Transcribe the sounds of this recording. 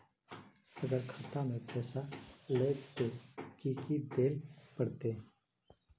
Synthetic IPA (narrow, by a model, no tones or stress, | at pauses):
əɡəɾkʰaːt̪amẽpɛːsaleːkt̪okiːkid̪eːlpəɽt̪eɦɛ̃